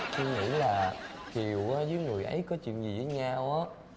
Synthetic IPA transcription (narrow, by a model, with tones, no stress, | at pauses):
t͡ɕi˧ŋḭ˧˥laː˨˩ki˨˩əwʔaː˨˦zɨː˨˦jŋɨ˨˩əjʔə˨˦jkɔ˨˦t͡ɕwḭ˧˨nzi˨˩əː˨˦jɲaː˧wʔaː˨˦